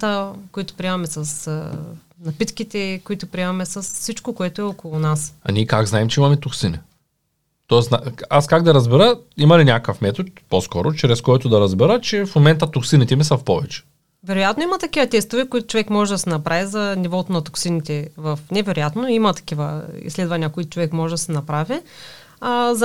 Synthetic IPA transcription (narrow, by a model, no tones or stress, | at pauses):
t̪əkoit̪ʊ̥pɾʲiɛmɐmɛsɐs | nɐpit̪kit̪ɛkoit̪ʊpɾʲiɛmɐmɛsɐsfsit͡ʃkokoɛt̪oɛɔkolˠʊnasɐ̰nʲiɛkaɡznaɛmt͡ʃɛimɐmɛt̪oksini | t̪ɔɛst̪naaskaɡ̚d̪ɐɾɐzbɛɾəimɐlinʲakəfmɛt̪ot̪poskɔɾot͡ʃɾɛskɔjt̪od̪ɐɾɐzbɛɾət͡ʃɛfmomɛnt̪ɐt̪oksinit̪ɛmisɐfpɔvɛt͡ʃɛ̥ | vɛɾojat̪noimɐt̪ɐkivɐt̪ɛst̪ovɛkʊit̪ʊ̥t͡ʃovɛkmɔʒɛd̪ɐsɛnɐpɾavizɐnivɔt̪onɐt̪oksinit̪ɛvɐfnɛvɛɾojat̪noimɐt̪ɐ̥kivəḭslɛd̪vɐnʲiɐkoit̪ʊ̥t͡ʃovɛkmɔʒɛd̪ɐsɛnɐpɾavi | az